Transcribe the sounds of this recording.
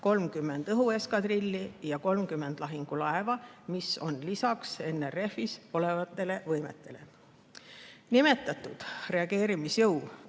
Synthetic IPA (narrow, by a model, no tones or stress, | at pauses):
ko̞lmkymːe̞nd̪ɤɦue̞skɑd̪̥rilʲːijɑko̞lmkymːe̞nd̪lɑɦiŋɡ̥ulɑevɑmiso̞nlisɑkse̞nːere̞fiso̞le̞vɑt̪ːˑe̞le̞vɤjme̞̰t̪ːˑe̞le̞ | nime̞t̪ːˑɑt̪ːˑud̪̥re̞ɑɡe̞ːɾimisjɤw